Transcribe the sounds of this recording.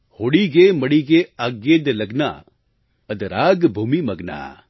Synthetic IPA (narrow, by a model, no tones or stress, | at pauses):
hoːɽiɡemɐɽiɡeaːɡeːd̪lɐɡna̰ | ɐd̪ɾaːɡbʱuːmimɐɡna̰ː